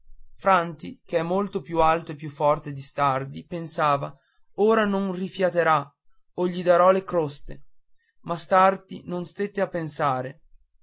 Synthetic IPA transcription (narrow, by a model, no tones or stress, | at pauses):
fɾant̪ik̟eɛmːolt̪opjualt̪oepːjufːɔrt̪ed̪ist̪ard̪ipensaːva | oːɾanonrifjat̪eɾa | oʎːid̪aɾɔlekɾost̪ḛ | mast̪ard̪ḭnonst̪et̪ːeapːensaːɾe